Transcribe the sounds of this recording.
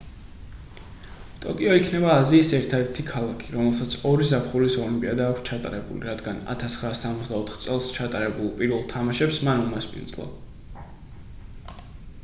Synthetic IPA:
t̪ʼɔ̰kʼiɔikʰnɛbaːziːsɛɾt̪ʰad̪ɛɾt̪ʰikʰalˠakʰiɾɔmɛlˠsat̪sʰɔɾizapʰχuɾisɔlimpʼiad̪aːkʷʰst͡ʃʰat̪ʼa̰ɾɛbṵlḭɾad̪ɡana̰t̪ʰasχɾaːsːamɔt̪zd̪aɔt̪ʰχt̪sʼɛlˠst͡ʃʰat̪ʼaɾɛbulˠpʼiɾvɛlˠt̪ʰamaʃɛpsmanumaspʼḭnd̪zlˠɔ̰

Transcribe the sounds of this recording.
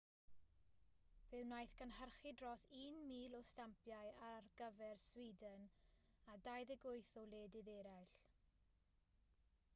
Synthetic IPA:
vɨwnajθɡənhərχɪdrɔsiːnmiːlˠɔstampjaɨarɡ̥əvɛrswidən | adajðɛɡʊɨθɔwlˠeːdɪðɛɾajɬ

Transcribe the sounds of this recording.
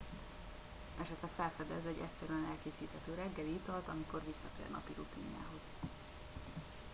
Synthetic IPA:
ɛʃɛt̪lɛfɛlfɛd̪ɛzɛɟːɛcʲsɛɾyɛnɛlkeːsiːt̪hɛt̪øːɾɛɡːɛliit̪ɒlt̪ɒmiko̞rvisːɒt̪ḛːrnɒ̰piɾut̪iːɲja̰ːɦo̞z̥

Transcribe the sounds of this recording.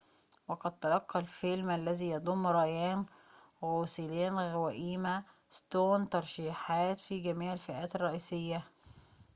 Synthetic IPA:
weqɑd̪̚t̪ːɑlɑqːɑlfelmʔælːæziːjɑd̪ˤomːɾˤɑjæːn | ɣoːsɪleːnɣæwæʔiːmæ | st̪oːnt̪ɑɾˤʃiːħɑːt̪fiːɡæmiːʕɪlfɪʔæːt̪ɑrˤːɑʔiːsɪjːæ

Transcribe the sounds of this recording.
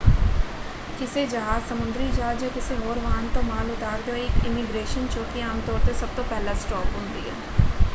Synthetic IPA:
kɪsed͡ʒɐɦaːzsɐmʊ̃nd̪ɾid͡ʒaːd͡ʒjakɪseɦoːɾʋaːnt̪omaːlʊt̪aːɾd̪eoeːkɪmɪɡɾeːʃənt͡ʃoːkiãːmt̪ɔːɾt̪esɐb̚t̪opɛɦlasʈɔːkɦʊ̃nd̪ḭɦɛ̰ː

